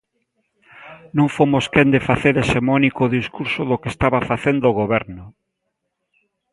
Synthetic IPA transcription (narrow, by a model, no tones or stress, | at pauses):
nõŋfomoskend̪efaθeɾesemɔnikoːðiskuɾsʊðokest̪aβafaθend̪oːɣoβɛɾnʊ